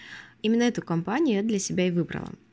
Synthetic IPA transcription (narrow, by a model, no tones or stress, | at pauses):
imʲɪnːəɛt̪ʊkɐmpanʲɪjʊjɛd̪lʲɐsʲɪbʲaɪvɨbɾə̰lˠə̰